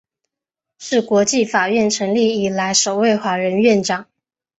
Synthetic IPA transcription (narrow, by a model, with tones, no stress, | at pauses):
ʂɻ̩˥˩kwɔ˧˥t͡ɕi˥˩fa˨˩ɥɛ˥˩nʈ͡ʂʰɤ˧˥ŋli˥˩i˨˩la˧˥ɪʂo˨˩ʊwe˥˧ɪxwa˧˥ɻə˧˥nɥɛ˥˩nʈ͡ʂɑ˨˩˦ŋ